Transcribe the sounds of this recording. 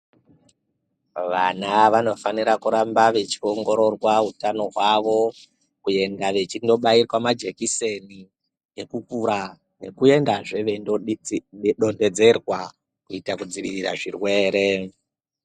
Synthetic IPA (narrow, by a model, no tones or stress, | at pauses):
ʋanaʋano̞faniɾakuɾambaʋe̞t͡ʃio̞ŋɡo̞ɾo̞rwaɦutano̞ɦwaʋo̞ | kuje̞ndaʋe̞t͡ʃindo̞ɓairwamad͡ʒe̞kise̞ni | ekukuɾa | ne̞kue̞ndaʐe̞ʋen | ɗo̞nde̞d͡ze̞rwa | kuitakud͡ziʋirira̰ʐirwe̞ːɾe̞